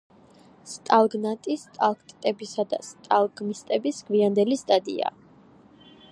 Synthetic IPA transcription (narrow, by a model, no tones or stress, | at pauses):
st̪ʼalˠɡnat̪ʼist̪ʼalˠkʰt̪ʼt̪ʼɛbisad̪a̰st̪ʼalˠɡmist̪ʼɛbisɡ̥viand̪ɛlist̪ʼad̪ʼḭa̰